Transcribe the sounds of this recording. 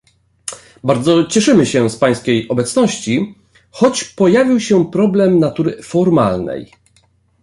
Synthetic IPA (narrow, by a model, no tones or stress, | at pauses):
baɾd̪zɔt͡ɕɛʂɘmɘɕɛspaj̃skʲejʔɔbɛt̪snɔɕt͡ɕi | xɔt͡ɕpɔjavʲiwɕɛpɾɔblɛmnat̪uɾɘfɔɾma̰lnɛ̰j